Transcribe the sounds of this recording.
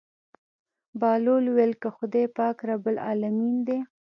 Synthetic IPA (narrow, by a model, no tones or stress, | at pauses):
bɑlolwelkəxʊd̪epɑkɾabəlɑ̰lamind̪e